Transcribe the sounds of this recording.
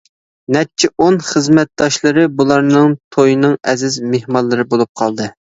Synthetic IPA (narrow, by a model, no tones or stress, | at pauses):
nɛt͡ʃʰːiʔonχəzmɛt̪̚d̪ɑʃlˠɨɾɨbulˠɑɾnɨŋt̪ʰojnɨŋɛzɪzmehmɑnlˠɨɾɨbolˠup̚qʰɑlˠd̪ɨ